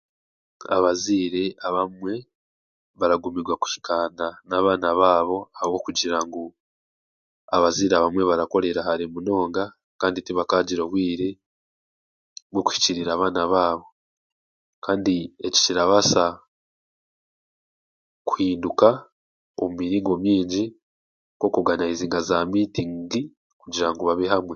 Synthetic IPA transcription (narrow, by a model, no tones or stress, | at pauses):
a̰βaziːɾe̞aβamwe̞ | βaɾaɡumiɾɡwaku̥hi̥kaːndanaːβaːnaβaːβo̞ahowo̞kuɟiɾaŋɡu | a̰βaziːɾeaβamwe̞βaɾako̞ɾe̞ɾahaɾimuno̞ːŋɡa | kaːnditiβakaːɟiɾoβwiːɾe̞ | βwoku̥hi̥ciɾiɾaːβaːnaβaːβo̞ | kaːndie̞ci̥ciɾaβasa | kwhiːnduka | omumiɾiːŋɡo̞mjiːɲɟi | ko̞kuɡanaiziːŋɡazaːmiːtiŋɡi | kuɟiɾaŋɡoβaβiɦamwe